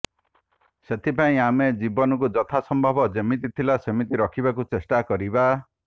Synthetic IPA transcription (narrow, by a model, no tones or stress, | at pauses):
set̪ʰipaĩamed͡ʒibɔnɔk̬ud͡ʒɔt̪ʰasɔmbʱɔbɔd͡ʒemit̪it̪ʰilasemit̪iɾɔkʰibakut͡ʃesʈakɔɾiba